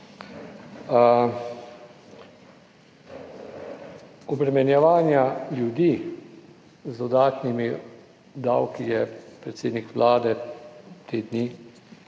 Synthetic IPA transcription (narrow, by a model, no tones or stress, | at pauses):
ɔbɾɛmɛnjɛʋaːnjaljud̪i | zd̪ɔd̪aːt̪nimi | d̪a̰wkijɛpɾɛt̪seːd̪nikʋlʔaːd̪ɛt̪ʰeːd̪ni